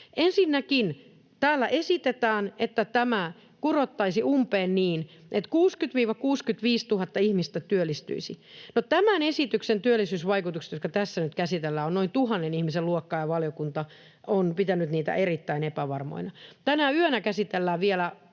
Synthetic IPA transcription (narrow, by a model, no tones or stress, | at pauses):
ʔensinːækin | t̪æːlːæʔesit̪et̪æːnet̪ːæt̪æmæ | kurot̪ːɑisiumpeːnniːn | ʔet̪kuːskyt̪ʋiːʋɑkuːskyt̪ʋiːst̪uhɑt̪ːɑihmist̪æt̪yølːˑist̪y̰isinot̪æmænesit̪yksent̪yølːˑisyːsʋɑikut̪ukse̥t̪jot̪kɑt̪æsːænyt̪kæsit̪elːæːonnoint̪uhɑnːenihmiseluokːɑːjɑʋɑljokunt̪ɑ | onpit̪ænyt̪niːt̪æ̰ʔerit̪ːæinepæʋɑrmo̰inɑt̪ænæyønækæsit̪elːæːʋielæ